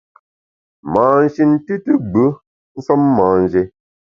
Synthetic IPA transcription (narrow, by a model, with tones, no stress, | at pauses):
maː˨n̩˨ʃi˨nti˦tɨ˦ɡ͡bə˦ | n̩˦sɔ˦mːaː˨n̩˨d͡ʒe˦